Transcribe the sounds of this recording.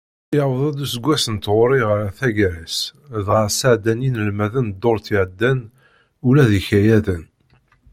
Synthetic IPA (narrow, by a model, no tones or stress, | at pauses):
jəwðˤæd̪usəɡʷːæsənt̪ʁʊɾiʁɾaθæʝɾæsðʁəɾsaʕd̪æninəlmæðənd̪ːoɾˤθiʕd̪ːæn | ulæðiçæjæðən